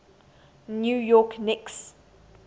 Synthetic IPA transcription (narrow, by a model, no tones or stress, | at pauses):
njuːjɔknɪks